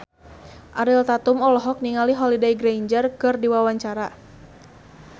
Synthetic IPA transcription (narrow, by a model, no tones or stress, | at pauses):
ʔaɾilt̪at̪umɔlɔɦɔk̚niŋaliɦɔlidajɡɾejɲd͡ʒərkɨrdiwawaɲt͡ʃaɾa